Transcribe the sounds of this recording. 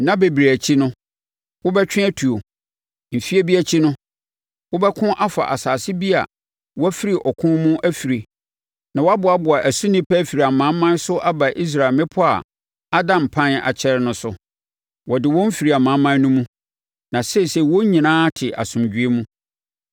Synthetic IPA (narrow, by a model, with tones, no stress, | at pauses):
nã˦be˨bi˨ɾe˨æ˨t͡ɕʰi˦nʊ̃˦ | wʊ˦bɛ˦t͡ɕᶣɪ̃˦ɛ˦tʰu˨o˨ | m̩˨fi˦æ˦bi˦æ˦t͡ɕʰi˦nʊ̃˦ | wʊ˦bɛ˦kʰʊ̃˦ʔa˦fa̰˨ʔa˨saː˨sɪ˦bi˦a̰˨ | wɔ˦æ˦fi˦ɾi˨ʔɔ˨kʰʊ̃˦mũ˦ʔæ˦fi˨ɾi˨ | nã˨wɔ˦a˦bʊ˨a˦bʊ˨a˨ʔæ˨su˦nĩ˦pʰæ˦fi˨ɾi˨a˨mã˦mã˦n˦sʊ˦ʔa˦ba˨ʔi˦s̬ɾa˨mɪ̃˦pʰʊ˦a̰˨ | a˦dã˨m˨pʰã˦na̰˨t͡ɕʰɛ˦ɾnʊ̃˦sʊ˨ | wɔ˨dɪ˨wɔ̃˦m̩˦fi˨ɾi˨a˨mã˨˦mːã˦n˦nũ˦mũ˦ | nã˨sɛ˦˨sɛ˦˨wɔ˦ɲĩ˨nãː˦tʰɪ˨ʔa̰˨sʊ̃˨md͡ʑᶣɥe˦mũ˦